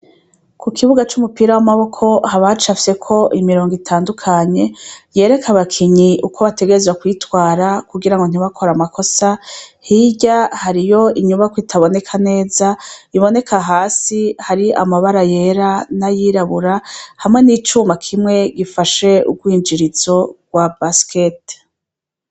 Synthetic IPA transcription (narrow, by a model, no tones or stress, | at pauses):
kʰukʰiβuɡat͡ʃumupiːɾawamaβo̞kʰo̞haβat͡ʃafi̥se̞kʰo̞ʔimiɾo̞ːŋɡitʰaːndukʰaɲe̞je̞ːɾe̞kʰaβakʰiɲiukʰo̞βate̞ɡe̞ɾezwakwitwaːɾakuɡiɾaŋɡo̞n̥iβakʰo̞ɾamakʰo̞sahiɟahaɾijo̞iɲuβakwitʰaβo̞ne̞kʰane̞ːzaiβo̞ne̞kʰaɦaːsihaɾia̰maβaɾaje̞ɾanajiɾaβuɾahamŋe̞niːt͡ʃumakʰimŋe̞ɡifaʃe̞ṵɡwiːnd͡ʒiɾiz̥o̞ɡ̥wabaskʰet